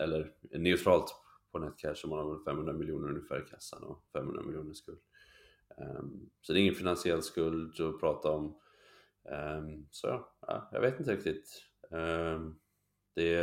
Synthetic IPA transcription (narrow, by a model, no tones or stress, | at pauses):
ʔɛlːəɾnɛʉt̪ʰɾɑːlt̪pʰɔnɛt̪kʰɛʂɔmanhavnfɛmhɵnɾamɪljuːnəɾɵnŋjəfæ̰ːɾɪkʰasːa̰nɔ̰fɛmhɵ̰nɾamɪljuːnəʂkɵld̪ | sɔd̪ɛːɪŋːənfɪnansɪɛlːskɵld̪ɔpʰɾɑːt̪aɔm | sɔjɑ̰ɑ̰ːjɑ̰ɡveːt̪ɪnt̪əɾɪk̚t̪ɪt̪ | d̪̥ɛ